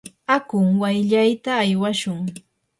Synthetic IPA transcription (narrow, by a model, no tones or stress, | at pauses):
akʊŋwajʎajt̪aːjwaʃʊŋ